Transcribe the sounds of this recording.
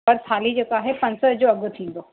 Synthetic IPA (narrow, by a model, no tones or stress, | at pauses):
əɾsaːlid͡ʑeːkaːɦepɐ̃ɲsəd͡ʑoɐɡt̪ʰĩːnd̪o